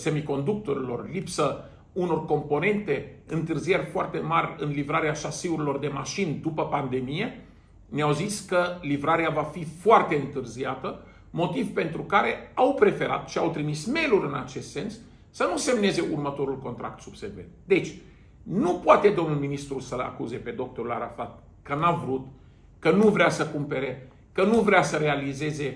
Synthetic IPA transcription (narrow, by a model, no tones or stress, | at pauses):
semiko̞nd̪uk̚t̪o̞ɾilo̞̰rlipsə | uno̞rko̞mpo̞ne̞nt̪e̞ɨnt̪ɨrzije̞rʲfoart̪e̞marʲɨnlivɾaɾeaʃasiuɾilo̞rd̪e̞maʃind̪upəpand̪e̞mije̞ | neawziskəlivɾaɾeavafifoart̪e̞ɨnt̪ɨrziat̪ə | mo̞t̪ivpe̞nt̪ɾukaɾe̞awpɾe̞fe̞ɾa̰t̪ʃiawt̪ɾimisme̞luɾɨnat͡ʃe̞st̪se̞nsː | ənuse̞mne̞ze̞ʔurmət̪o̞ɾulko̞nt̪ɾʔa̰kt̪subse̞ve̞̰nt̪d̪e̞t͡ʃʲ | nupoat̪e̞d̪o̞mnulminist̪ɾusəla̰kuze̞pe̞d̪o̞k̚t̪o̞ɾula̰ɾafat̪̚ | kənavɾut̪ | kənuvɾeasəkumpe̞ɾe̞ | kənuvɾeasəɾe̞alize̞ze̞